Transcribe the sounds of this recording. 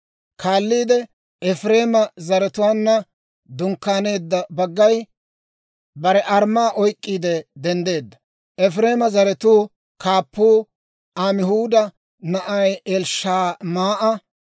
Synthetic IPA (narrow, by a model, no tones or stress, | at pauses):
kʰaːlːiːd̪ɛ | ɛfɾe̞ːmɐzɐɾɛt̪ʊwaːnːɐ | d̪ʊŋkːaːne̞ːd̪ːɐbɐɡːɐj | bɐɾɛʔɐɾmaːʔɔjkʼːiːd̪ɛd̪ɛnd̪e̞ːd̪ːɐ̥ | ʔɛfɾeːmɐzɐɾɛt̪uː | kʰaːpːuː | ʔamɪhuːd̪ɐ | nɐʔɐjɛlʃaːmaːʔɐ